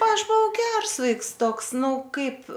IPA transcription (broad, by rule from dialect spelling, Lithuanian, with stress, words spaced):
ˈɐʃ bʊˈʋɐʊ ˈɡʲɛrs ˈʋɐɪks ˈtoːks ˈnʊ ˈkɐɪp